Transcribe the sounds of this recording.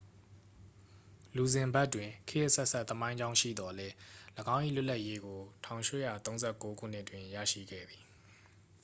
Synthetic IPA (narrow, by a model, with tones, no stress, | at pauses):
lu˨zɪ̃˨mba˦tːwɪ̃˨kʰɪ˦ʔəsɛ˦ʔsa˦ʔt̪ːəmã˦ɪ̃ɲd͡ʑã˦ʊ̃ʃḭ˦˨d̪ɔ˨lɛ˦ləɡã˦ʊ̃ʔḭ˦˨lʊ˦ʔlːa˦ʔje˦ɡo˨tʰã˨ʊ̃ʃḛ˦˨jä̰˦˨t̪õ˦ʊ̃zɛ˦˨ko˦ɡʰṵ˦˨n̥ɪ˦ʔtwɪ̃˨ja̰˦˨ʃḭ˦˨ɡɛ̰˦˨d̪i˨